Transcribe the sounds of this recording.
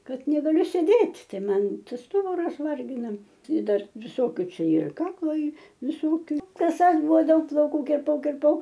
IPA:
ˈkɐt nʲɛɡɐˈlʲʊ sʲeːˈdʲeːtʲ ˈtɐɪ ˈmɐn ˈstʊbʊrɐs ˈʋɐrʲɡʲɪnɐ ɪ ˈdɐr ʋʲɪˈsoːkʲʊ ˈt͡ʃʲɛ ɪr ˈkɑːklˠoː ˈiː ʋʲɪˈsoːkʲʊ kɐˈsɐs ˈbʊʋoː ˈdɐʊk plˠɐʊˈkuː kʲɪrˈpɐʊ kʲɪrˈpɐʊ

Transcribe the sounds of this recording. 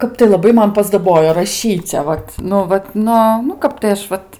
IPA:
ˈkɐp tɐɪ lˠɐˈbɐɪ ˈmɐn pɐˈzdɑːboːjoː rɐˈʃʲiːt͡sʲɛ ˈʋɐt nʊ ˈʋɐt ˈnʊ nʊ ˈkɐp tɐɪ ˈɐʃ ˈʋɐt

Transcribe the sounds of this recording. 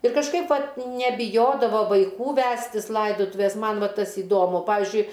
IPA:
ɪr kɐʃˈkɐɪp ˈʋɐt nʲɛbʲɪˈjoːdɐʋoː ʋɐɪˈkuː ˈʋʲæːsʲtʲɪs ˈlˠɐɪdoːtʊʋʲeːs ˈmɐn ˈʋɐ ˈtɐs ɪˈdoːmʊ ˈpɑːʋʲɪzʲd͡ʒʲʊɪ

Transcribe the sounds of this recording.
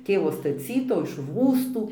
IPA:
ˈtʲeːʋoː stɐˈt͡sʲiːtuː ɪʃ ˈruːstuː

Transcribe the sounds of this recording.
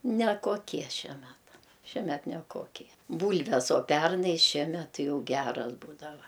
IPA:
nʲɛkoːˈkʲiɛ ˈʃʲiɛ ˈmʲæːtɐ ʃʲiɛˈmʲɛt nʲɛˈkoːkʲiɛ ˈbuːlʲʋʲɛs oː ˈpʲɛrnɐɪ ˈʃʲiɛmʲɛt ˈtʲɪ ˈjɛʊ ˈɡʲæːrɐs ˈbuːdɐʋɐ

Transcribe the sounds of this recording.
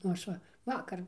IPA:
nʊ ˈɐʃ ʋɐ ˈʋɑːkɐr

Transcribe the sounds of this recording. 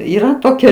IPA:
iːˈrɐ ˈtoːkʲɛ

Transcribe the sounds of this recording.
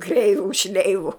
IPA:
ˈkrʲɛɪʋʊ ˈʃʲlʲɛɪʋʊ

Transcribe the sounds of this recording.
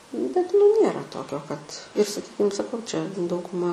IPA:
bʲɛt nʊ ˈnʲeːrɐ ˈtoːkʲoː kɐt ɪr sɐˈkʲiːkʲɪm sɐˈkɐʊ t͡ʃʲɛ dɐʊɡʊˈmɐ

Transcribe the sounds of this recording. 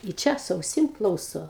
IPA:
ɪ ˈt͡ʃʲɛ sʊ ɐʊˈsʲɪm ˈklˠɐʊsoː

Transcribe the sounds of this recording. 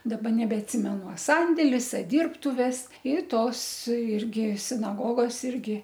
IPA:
dɐˈbɐ nʲɛbʲɛɐtʲˈsʲɪmʲɛnʊ ɐ ˈsɐnʲdʲeːlʲɪs ɐ ˈdʲiːrptʊʋʲɛs ɪ ˈtoːs ˈɪrʲɡʲɪ sʲɪnɐˈɡoːɡoːs ˈɪrʲɡʲɪ

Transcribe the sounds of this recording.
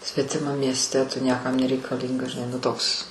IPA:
sʲʋʲɛtʲɪˈmɐm mʲiɛsʲˈtʲɛ tʊ ˈnʲiɛkɐm nʲɛrʲɛɪkɐˈlʲiːŋɡɐs ʒʲɪˈnɐɪ nʊ ˈtoːks

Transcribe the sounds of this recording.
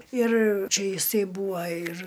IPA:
ɪr ˈt͡ʃʲɛ ɪˈsɐɪ ˈbuːʋɐ ɪr

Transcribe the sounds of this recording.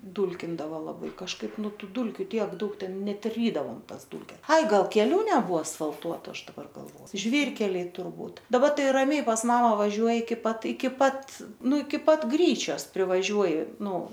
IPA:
ˈduːlʲkʲɪndɐʋoː lˠɐˈbɐɪ kɐʃˈkɐɪp ˈnʊ ˈtuː ˈdʊlʲkʲʊ ˈtʲiɛk ˈdɐʊk ˈtʲɛn ˈnʲɛt ˈrʲiːdɐʋoːm ˈtɐs ˈduːlʲkʲɛs ˈɐɪ ˈɡɐlˠ kʲɛˈlʲuː nʲɛˈbuɔ ɐsfɐlˠˈtuɔtʊ ˈɐʃ dɐˈbɐr ɡɐlˠˈʋoː ˈʒʲʋʲiːrʲkʲɛlʲɛɪ tʊrˈbuːt dɐˈbɐ ˈtɐɪ rɐˈmʲɛɪ pɐs ˈmɑːmɐ ʋɐˈʒʲuɔjɪ ɪkʲɪ ˈpɐt ɪkʲɪ ˈpɐt ˈnʊ ɪkʲɪ ˈpɐt ˈɡrʲiːt͡ʃʲoːs pʲrʲɪʋɐˈʒʲuɔjɪ ˈnʊ

